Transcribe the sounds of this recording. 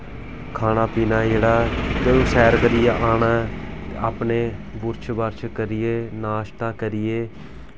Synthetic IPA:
kʰaːnaːpiːnaːd͡ʒeːɽaːt̪eːoːsɛːɾɡəɾɪjeʔaːɳaːaːpneːbʊɾt͡ʃʰbəɾt͡ʃʰkəɾɪjeːnaːʃt̪aːkəɾɪjeː

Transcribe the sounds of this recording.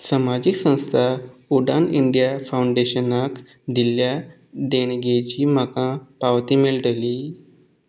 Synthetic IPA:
samad͡ʑiksə̃w̃st̪ʰauɖanḭɳɖijafawuɳɖeɕənak | d̪ilja | d̪eɳ̃ɡet͡ɕiːm̤akãpaʋt̪imeɭʈəliː

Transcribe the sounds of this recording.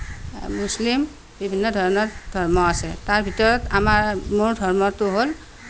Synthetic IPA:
muslim | bibʱinːɔdʱɔɹɔnɔɹdʱɔɹmɔasɛtaɹbʱitɔɹɔtamaɹmoɹdʱɔɹmɔtʊɦol

